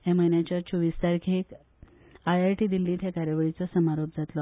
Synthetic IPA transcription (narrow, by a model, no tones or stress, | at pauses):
ɦaməjnjat͡ɕat͡ɕʰoʋiːst̪aɾkʰek | ajaɾʈid̪ilːĩːt̪ʰjakaɾjaʋəɭit͡sɔsəmaɾop̚d͡zat̪lɔ